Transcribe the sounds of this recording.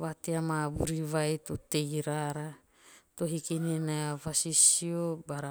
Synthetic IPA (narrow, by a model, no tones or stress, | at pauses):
wat̪eamabuɾiβajtutejɾaɾa | t̪oɦikininaavasisiobaɾa